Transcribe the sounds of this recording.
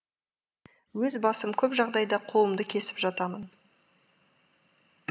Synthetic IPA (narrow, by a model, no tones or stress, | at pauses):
wɵzbɑsəmkʲʰɵpʒɑʁd̪ɑjd̪ɑqʰo̞lˠəmd̪əkʲʰe̞sɪ̥pʒɑt̪ɑmən